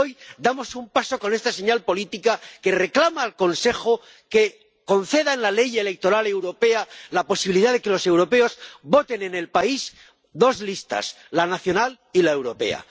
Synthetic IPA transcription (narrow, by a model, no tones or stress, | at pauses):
ojd̪amo̞sumpaso̞ko̞ne̞st̪ase̞ɲalpo̞lit̪ikake̞re̞klamaːlko̞nse̞xo | ke̞ | ko̞nθe̞ðaenlale̞je̞le̞k̚t̪o̞ɾale̞wɾo̞pe̞alapo̞siβiliðaðe̞ke̞lo̞se̞wɾo̞pe̞o̞zbo̞t̪e̞nene̞lpaiz | d̪o̞zlist̪a̰s | lanaθjonal | ilaewɾo̞pe̞̰a̰